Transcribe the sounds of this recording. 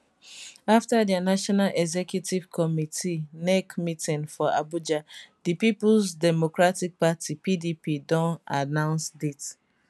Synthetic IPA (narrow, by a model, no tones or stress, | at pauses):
aftadjanaʃɔnalʔɛɡzɛkjutivkʰɔmitʰinɛkmitĩnfɔa̰bud͡ʒadipipʊlsdɛmokɾatik̚patipidipidɔ̃nanãʊ̃nsdit